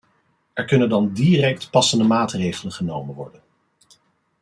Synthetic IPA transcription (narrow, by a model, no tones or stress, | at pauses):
ɛɹkɵnəndɑndiːrɛk̚tpɑsəndəmaːtrejχələnχənowmənʋɔ̰ɹdən